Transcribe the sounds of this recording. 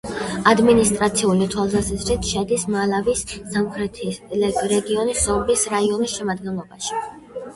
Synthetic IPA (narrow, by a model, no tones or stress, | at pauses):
ad̪minist̪ʼɾat̪sʰiulit̪ʰwalˠsasɛzɾit̪ʰʃɛd̪ismalavisːamχɾɛt̪ʰiɾɛɡiɔnisɔɾbisɾaiɔnisʃɛmad̪̚ɡɛnlˠɔbaʃi̥